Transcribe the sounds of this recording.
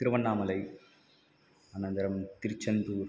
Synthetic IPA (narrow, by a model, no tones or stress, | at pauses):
ɪɾɯʋɐnːaːmɐlɐɪ | ɐnɐnd̪ɐɾɐmt̪ɪɾɪt͡ʃːɐnd̪uːɾ